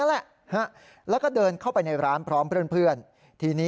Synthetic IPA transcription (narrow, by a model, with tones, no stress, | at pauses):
nlɛ˨˩ʔ | ha˦˥˩ | lɛː˦˥wkɔː˥˩dɤː˧nkʰa˥˩wpa˧jna˧jɾaː˦˥npʰɾɔː˦˥mpʰɯ˥˩ənpʰɯ˥˩ən | t̪ʰiː˧niː˦˥